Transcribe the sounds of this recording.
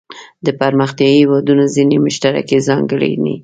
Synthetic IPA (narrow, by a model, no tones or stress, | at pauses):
d̪əpaɾməxt̪jɑiwɑd̪unazinemʊʃt̪aɾa̰kezɑŋɡəɭḭnḭ